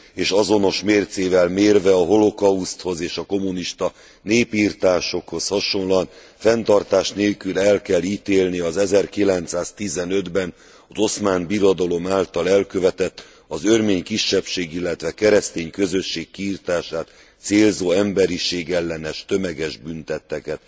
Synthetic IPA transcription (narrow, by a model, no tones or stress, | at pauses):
eːʃɒzo̞no̞ʃmeːrt̪seːvɛlmeːrvɛɒɦo̞lo̞kɒust̪ho̞zeːʃɒko̞muniʃt̪ɒ | neːpiːrt̪aːʃo̞kho̞shɒʃo̞nlɒn | fɛnt̪ɒrt̪aːʃt̪neːlkylɛlkɛlːiːt̪eːlniɒzɛzɛrkilɛnt̪saːst̪izɛnø̞d̪bɛn | ɒzo̞smaːnbiɾod̪ɒlo̞maːlt̪ɒlɛlkø̞vɛt̪ɛt̪ː | ɒzørmeːɲkiʃːɛpʃeːɡilːɛt̪ʋɛkɛɾɛst̪eːɲkø̞zø̞ʃːeːkːiːrt̪aːʃaːt̪ | seːlzoːɛmbɛɾiʃeːɡɛlːɛnɛʃt̪ø̞mɛɡɛʒbynt̪ɛt̪ːɛkɛt̪